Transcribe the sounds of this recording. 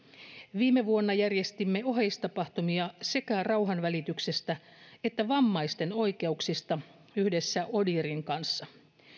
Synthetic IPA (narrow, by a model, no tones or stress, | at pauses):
ʋiːme̞ʋuonːɑjærje̞st̪imːe̞o̞ɦejst̪ɑpɑht̪umiɑse̞kærɑwɦɑnʋælit̪yksest̪æ | et̪ːæʋɑmːɑjst̪e̞no̞jke̞uksist̪ɑ | yhde̞sːæo̞diɾiŋkɑnsːɑ